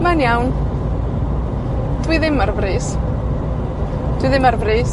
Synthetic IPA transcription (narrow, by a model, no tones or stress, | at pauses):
manjawn | d̥wiðɪmarvriːs | d̥wɨðɪmarvriːs